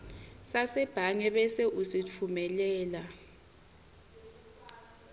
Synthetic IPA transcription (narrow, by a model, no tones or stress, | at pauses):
sasɛb̥ʱaŋɛɓɛseʔusit͡fʰumɛlɛːla